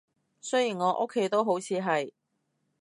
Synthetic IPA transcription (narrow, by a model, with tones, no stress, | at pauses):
sɵ˥ɥjiː˨˩nŋɔː˨˧ʔo̰˥kʰːe˨˥jt̪o˥wɦo˨˥wt͡sʰiː˨˧ɦɐ˨j